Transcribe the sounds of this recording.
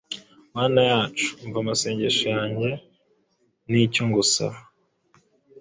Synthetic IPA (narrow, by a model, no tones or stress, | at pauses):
maːnajaːt͡ʃu̥ɱvamase̞ːɲɟe̞ʃojaːɲɟe̞ | nicoŋɡusa̰